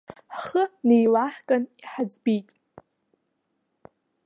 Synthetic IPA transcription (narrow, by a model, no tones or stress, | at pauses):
χənejlaħkʼaniħad͡zbijtʼ